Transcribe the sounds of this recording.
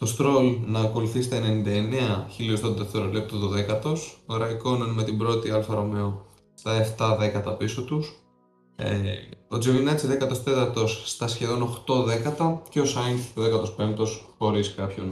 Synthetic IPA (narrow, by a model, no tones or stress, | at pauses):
t̪o̞st̪ɾo̞lnɐːko̞luθist̪ɐene̞nind̪ɐeneɐçiliost̪oðeft̪eɾozlep̚t̪oðoðe̞kɐt̪o̞soɾɐiko̞nɐnme̞t̪ibɾo̞t̪iɐlfɐɾo̞meo | st̪ɐe̞ft̪ɐðe̞kɐt̪ɐpiso̞t̪us | ḛo̞d͡zivinɐt͡siðekɐt̪o̞st̪e̞t̪ɐɾt̪o̞sːt̪ɐsçe̞ðo̞no̞xt̪o̞ðe̞kɐt̪ɐceo̞sɐŋoðekɐt̪o̞spe̞mt̪o̞sxo̞ɾiskɐpço̞n